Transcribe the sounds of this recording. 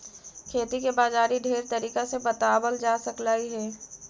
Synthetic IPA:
kʰeːt̪ikebaːzaːɾiɖʱeːɾt̪əɾiːkasebət̪aːbəld͡ʒaːsəklaːiɦɛː

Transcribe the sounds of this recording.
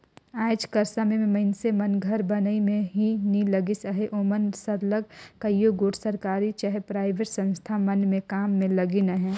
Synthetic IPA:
aːɪd͡ʒkɐɾsamẽmẽmɐɪnsemɐnɡʱəɾbɐnəimẽɦinĩlɐɡisəɦeʔoːmənsɐɾləɡkɐjjoɡoːʈʰsɐɾkaːɾit͡ʃaɦepɾaːɪʋeːʈsɐ̃nst̪ʰamɐnmẽkaːmːẽlɐɡinɐɦɛ̃ː

